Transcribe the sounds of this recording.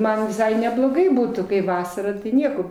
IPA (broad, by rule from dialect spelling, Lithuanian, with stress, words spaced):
ˈmɐn ʋʲɪˈsɐɪ nʲɛblˠoːˈɡɐɪ ˈbuːtuː kɐɪ ˈʋɑːsɐrɐ ˈnʲiɛkoː